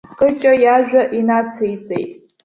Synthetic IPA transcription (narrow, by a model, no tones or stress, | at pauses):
kʼɨt͡ʃʼajaʒᶣaʔinat͡sʰejt͡sʼḛjtʼ